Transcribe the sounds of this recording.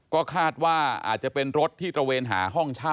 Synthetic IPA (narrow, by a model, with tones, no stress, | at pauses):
kɔː˥˩kʰaː˥˩t̪̚waː˥˩ʔa̰ː˨˩t̪̚t͡ɕa˨˩pe˧nɾo˦˥t̪ʰːiː˥˩t̪ɾa˧weː˧nɦa̰ː˩˦ɦɔ˥˩ŋt͡ɕʰaː˥˩